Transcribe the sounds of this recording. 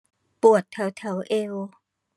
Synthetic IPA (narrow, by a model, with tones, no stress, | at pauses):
pu˨˩ət̪ʰːɛ˧˩˦wt̪ʰɛ˧˦wʔeː˧oː˧